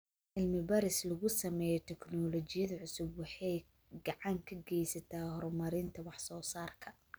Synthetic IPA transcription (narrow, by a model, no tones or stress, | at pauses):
ʕɪlmɪbɐɾɪslɐɣʊsɐmɛːjɛt̪ʰɛknɔlɔt͡ʃɪjɐðɐʕʊsʊbwɑħɑj | ɡɑʕɑŋkʰɐɡɛjsɐt̪ʰaːhɔɾmɐɾɪnt̪ʰɐwɑħsɔːsaːrkʰɐ